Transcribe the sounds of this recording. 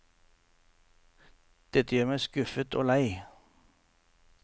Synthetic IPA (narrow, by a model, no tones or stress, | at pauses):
d̪̥ɛt̪əjøːɾmæɪskʉfət̪ʰo̰ːlæɪ